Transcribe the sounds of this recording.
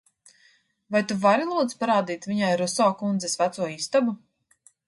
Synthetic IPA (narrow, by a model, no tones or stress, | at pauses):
vajt̪uvaɾilˠuːt̪spaɾaːd̪iːt̪viɲajɾɔsɔːkund̪zɛsvæt̪suɔist̪abu